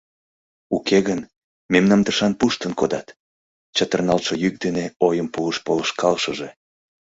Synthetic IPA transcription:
ukeɣən | memnɑmt̪əʃɑnpuʃt̪ənkod̪ɑt̪ | t͡ɕət̪ərnɑlʃəjyk̚d̪eneojəmpuəʃpoləʃkɑlʃəʒe

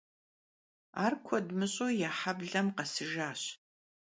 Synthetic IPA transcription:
a̰ːrkʷʰɔdmɨɕʼoːjaːħabɮɐmqɐsɨʒaːɕ

